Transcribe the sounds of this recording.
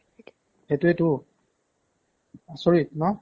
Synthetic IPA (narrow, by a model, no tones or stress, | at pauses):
hetuetu | asoɹit̚nɔ